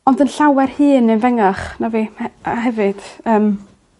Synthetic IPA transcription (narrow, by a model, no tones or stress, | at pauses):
ɔndənɬawɛrhɨːnənvɛŋaχnaviaɦɛvɨd̥əːm